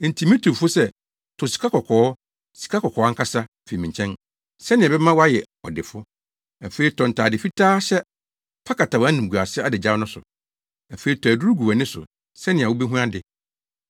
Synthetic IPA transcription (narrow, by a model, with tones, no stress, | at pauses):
n̩˨tʰi˨mĩ˦tʰu˨fʊ˦sɛ˦ | tʰʊ˨si̥˨kʰa˦kɔ˨kʰɔː˨˦ | si̥˨kʰa˦kɔ˨kʰɔː˨˦a˦ŋ̩˦kʰa˦sa˦˨fe˨mĩ˨ɲ˨t͡ɕʰɛ̃˦n | sɛ˦nɪ̃˨ɛ˨bɛ˦mã˦wɔ˦a˦jɛ˨ | ɔ̰˨dɪ˨fʊ˦ | æ˨feː˨˦i˦tʰɔ̃˨n˨tʰa˨dɪ˨fi˦tʰaː˦ɕɛ˦ | fʰa˦kʰa˨ta˨wnĩ˨m˨ɡu˨a˨sɪ˦a˦dɪ˨d͡ʑa˦nʊ̃˦sʊ̰˨ | æ˨fe˦i˨˦tʰɔ˨æ˨du˦u˦ɡu˨wæ˨nɪ̃˦sʊ̰˨ | sɛ˦nɪ̃˨a˨wo˦bɛ˦ɦũ˦ã˦dɪ˨